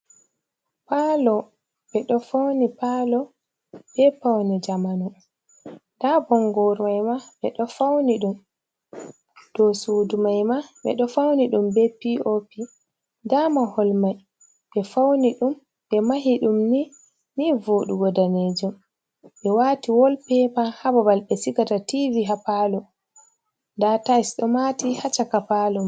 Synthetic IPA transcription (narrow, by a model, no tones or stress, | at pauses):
paːlɔ | ɓɛɗɔfawnipalɔ | bɛpawnid͡ʒamanu | dabɔŋɡɔɾmajmaɓɛɗɔfawniɗum | d̥ɔsuːdumajmaɓɛ̰ɗɔfawniɗumbɛpiʔopi | damahɔlmaj | ɓɛfawniɗum | ɓɛmaɦiɗumni | nivoːɗuɡɔdaned͡ʒum | ɓɛwaːtiwɔlpɛpahababalɓɛsikatativiɦapalɔ | ndatasɗɔmatihat͡ʃakapalɔm